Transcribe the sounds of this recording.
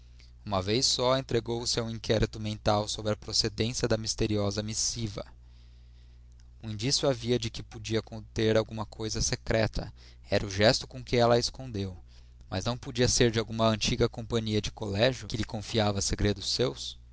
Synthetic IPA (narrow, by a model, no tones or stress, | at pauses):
ũmɐvejsːɔẽnt̪ɾeɡowsɪaũĩŋkʰɛɾit̪ʊmẽnt̪awsobɾɐpɾosed̪ẽsiɐd̪ɐmist̪eɾiɔzɐmisivɐ̰ | uĩnd͡ʒisjʊaviɐd͡ʒɪkɪpod͡ʒiɐkõt̪eɾawɡũmɐkʰojzɐsekɾɛt̪ʰɐ | ɛɾʔɐʊʒɛst̪ʊ̥kõkɪɛlɐeskõnd̪ew | mɐ̰znɐ̃w̃pod͡ʒiɐseɾd͡ʒɪawɡũmɐɐ̃nt͡ʃiɡɐkõpɐ̃ɲiɐd͡ʒɪkolɛʒjʊkɪʎɪkõfiavɐseɡɾed̪ʊsews